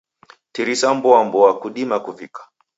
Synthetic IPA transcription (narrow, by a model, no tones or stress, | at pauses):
tiɾisambɔambɔakuɗimakuvikḁ